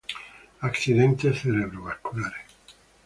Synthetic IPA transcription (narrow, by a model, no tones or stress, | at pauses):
aksid̪ent̪eθeɾebɾoβaskulaɾe